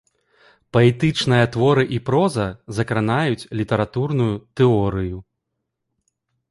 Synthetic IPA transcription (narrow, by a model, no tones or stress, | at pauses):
pɐɛt̪ɨt͡ʂnɨjɐt̪vɔɾɨʔipɾɔzɐzɐkɾanajut͡sʲlʲit̪ɐɾat̪urnujut̪ɛɔɾɨju